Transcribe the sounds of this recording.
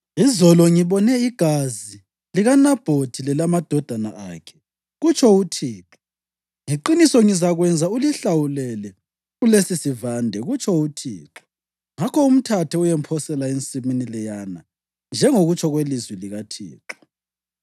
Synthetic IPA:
izɔlɔŋiβɔnɛiɡ̥ʱazi | liɣanab̥ʱod̥ʱilɛlamad̥ʱɔd̥ʱana̰a̰ːkʰɛ̥ | ɣut͡ʃʰʼɔutʰiːǁɔ̥ | ŋiǃinisɔŋizaɣwɛnd͡zʱauliɬawulɛlɛ | ulesisivandʱɛɣut͡ʃʼʰɔutʰḭːǁɔ̥ | ŋakʰɔum̩tʰatʰɛujɛmpʰɔsɛlaent͡sʼiminilɛjana | nd͡ʒʱɛŋoɣut͡ʃʰʼɔɣwelizwiliɣatʰḭːǁɔ̥

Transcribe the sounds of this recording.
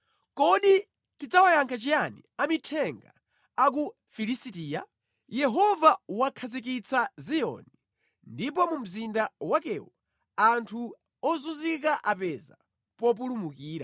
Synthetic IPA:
kɔɗi | tid͡zawajaŋkʰat͡ʃijanḭamitʰɛŋɡa̰ | ak̬u | filisitiːja | jɛɦɔvawakʰazik̬it͡sʰazijɔ̰ni | ndipɔmum̩zindawakɛ̰wɔ | antʰu | ɔzuzik̬aʔapɛza̰ | pɔp̬ulumukiːɾa̰

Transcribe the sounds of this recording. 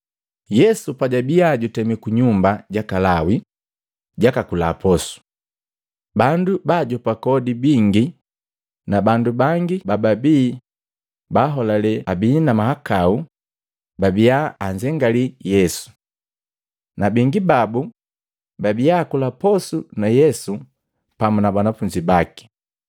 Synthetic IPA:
jɛsupaɟabiaɟutɛmikuɲumbaɟakalawi | ɟakakula̰pɔsu̥ | bandubaɟɔpakɔdibiŋɡi | nabandubaŋɡibababiː | baːɦɔlalɛabiːnamahakau | babijaːɲd͡ʒɛŋɡalijɛsu̥ | nabiŋɡibabu | babiakulapɔsunajɛsu | pamunabanafuɲd͡ʒibaki̥

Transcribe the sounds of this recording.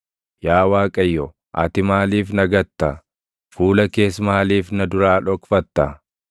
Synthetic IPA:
jaːwaːkʼɐjːɔ | ʔɐ̰t̪ɪmaːliːfnɐɡɐt̪ːɐ | fuːlɐke̞ːsmaːliːfnɐd̪ʊɾaːᶑɔkfɐt̪ːɐ

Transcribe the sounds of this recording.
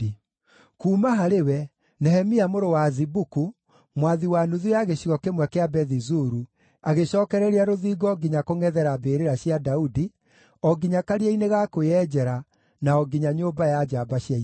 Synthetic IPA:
kuːmaɦaɾewɛ | nɛɦɛmiamoɾowazibuku | mwaðiwanuðujaɣeɕiɣɔkemwɛkeabɛðizuɾu | aɣeɕɔːkɛɾɛɾeaɾoðiːɡɔːɡiɲakoŋɛðɛɾabeːɾeɾaɕjadaudi | ɔɡiɲakaɾiaineɣakojɛːd͡ʑɛɾa | naɔɡiɲaɲoːbajad͡ʒabaɕja

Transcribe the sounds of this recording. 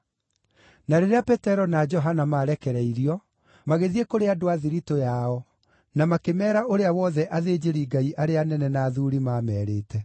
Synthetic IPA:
naɾeɾeapɛtɛɾɔnad͡ʒɔɦanamaːɾɛkɛɾɛiɾiɔ | maɣeðiekoɾeadoaðiɾitojaɔ | namakemɛːɾaoɾeawɔðɛʔaðed͡ʑeɾiɡaiʔaɾeanɛnɛnaːðuɾimaːmɛːɾeːtʰɛ

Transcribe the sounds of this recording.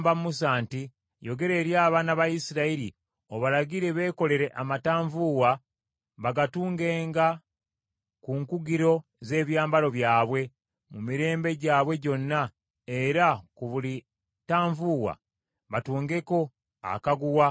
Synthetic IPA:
mbammusaːnti | jo̞ɡe̞ɾe̞ːɾjaːβanaβajisiɾaiɾḭ | o̞βalaɡiɾe̞βe̞ːko̞le̞ɾe̞ʔamataːɱvuwa | βaɡatuːŋɡe̞ːŋɡa | kuŋkuɡiɾo̞ | ze̞ːβjaːmbalo̞βjaːβwe̞ | mumiɾe̞ːmbe̞ɟaːβwe̞ɟo̞nːa | eɾakuβuli | taːɱvuwa̰ | βatuːŋɡe̞ko̞ | a̰kaɡuwa

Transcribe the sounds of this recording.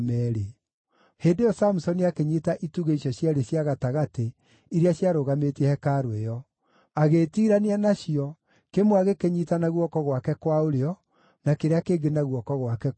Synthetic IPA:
mɛɾe | heːdejɔsamusɔniakeɲitaʔituɣeiɕɔɕjaɾeɕjaɣataɣate | iɾeaɕjaɾoɣametiɛhɛkaɾwejɔ | aɣeːtiɾaneanaɕiɔ | kemwaɣekeɲitanaɣwɔkɔɣwakɛkwaoɾeɔ | nakeɾeakeːɡenaɣwɔkɔɣwakɛ

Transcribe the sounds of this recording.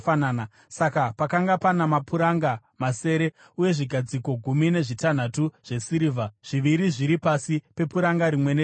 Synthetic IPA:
fanana | sakapakaŋɡapanamapʰuɾaŋɡa | mase̞ːɾe̞ | uje̞ʐiɡʱad͡ziko̞ɡʱumine̞ʐitan̤atuʐ̥e̞siɾiːvʱaʐ̥iʋiɾiʐiɾipasipe̞puɾaŋɡaɾimwe̞ne

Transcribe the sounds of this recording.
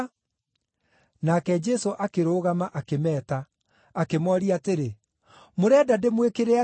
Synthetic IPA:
nakɛd͡ʒɛsoʔakeɾoːɣamaʔakemɛːtaː | kemɔɾiateɾe | moɾɛdademwekeɾea

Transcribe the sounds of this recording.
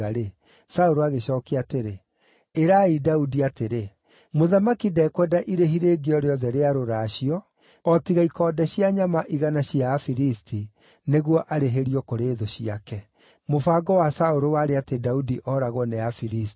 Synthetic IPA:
aɾe | saoɾoaɣeɕɔːkeateɾe | eɾaidaudiateɾe | moðamakidɛkwɛdaʔiɾeɦiɾeːɡeɔɾeɔðɛɾeaɾoɾaɕiɔ | ɔtiɣaikɔːdɛɕiaɲamaʔiɣanaɕiafiɾistʰi | neɣwɔʔaɾeɦeɾiɔkoɾeːðoɕiakɛ | mofaːɡɔwasaoɾowaɾeatedaudiʔɔɾaɣwɔnɛafiɾist

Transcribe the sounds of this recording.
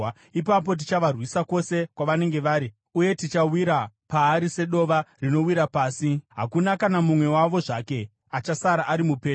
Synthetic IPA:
ipap̬o̞t̬it͡ʃaʋarwisako̞se̞kwaʋane̞ŋɡe̞ʋaːɾi | uje̞tit͡ʃawiɾapaːɾise̞ɗo̞ʋarino̞wiɾapaːsiɦa̰kunakanamumwe̞waʋo̞ʐake̞ | at͡ʃasaɾaʔːɾimupeː

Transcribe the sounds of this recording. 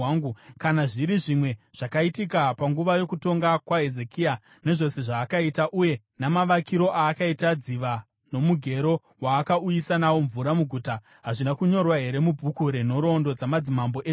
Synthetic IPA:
ŋɡukanaʐiɾiʐimwe̞ʐ̥akaitikapaŋɡuʋajo̞kuto̞ŋɡakwaɦe̞ze̞kia | ne̞ʐo̞se̞ʐaːkaitaʔuje̞ | namaʋakiɾo̞ʔaːkaitad͡ziʋa | no̞muɡʱe̞ɾo̞ | waːkaujisanawo̞ɱvuɾamuɡʱuːta | ɦaʐinakuɲo̞rwaɦe̞ɾe̞mubʱukuɾeno̞ɾo̞ndo̞d͡zamad͡zimambo̞ʔe

